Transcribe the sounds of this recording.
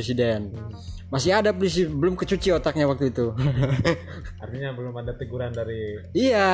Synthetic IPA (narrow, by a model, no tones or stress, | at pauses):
esidɛn | masiɦadapolis̬ibəlʊmkət͡ʃut͡ʃiot̪ak̚ɲawak̚t̪uit̪u | a̰rt̪iɲabəlʊmadat̪əɡuɾandaɾiija